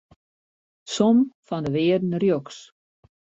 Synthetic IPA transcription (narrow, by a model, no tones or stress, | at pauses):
somfɔndəʋɪːədn̩rjoks